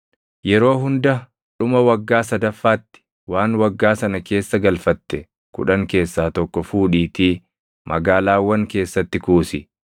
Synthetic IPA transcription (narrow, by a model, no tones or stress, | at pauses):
jɛɾo̞ːɦʊnd̪ɐ | ᶑʊmɐwɐɡːaːsɐd̪ɐfːaːt̪ːɪ̥ | waːnwɐɡːaːsɐnɐke̞ːsːɐɡɐlfɐt̪ːɛ | kʊ̰ᶑɐŋke̞ːsːaːt̪ɔkːɔfuːᶑiːt̪iː | mʔɐɡaːlaːwːɐŋke̞ːsːɐt̪ːɪkuːsɪ